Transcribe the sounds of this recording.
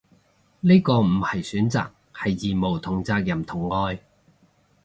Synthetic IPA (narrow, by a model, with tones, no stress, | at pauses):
ni˥kɔː˧m̩˨˩hɐ˨˩jsyː˨˥nt͡sa̰ː˨k̚hɐ˨jːiː˨mo˨˩wt̪ʰʊ˨˩ŋt͡saː˧k̚jɐ˨˩mt̪ʰʊ˨˩ŋːɔː˧j